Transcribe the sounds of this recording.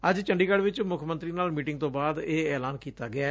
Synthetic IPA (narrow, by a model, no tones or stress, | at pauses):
əd͡ʒt͡ʃəɳɖiːkəɖʋɪt͡ʃmʊkʰmənt̪ɾiːnaːlmiːʈɪŋɡt̪õːbaːd̪eːɛːlaːnkiːt̪aːɡɪaː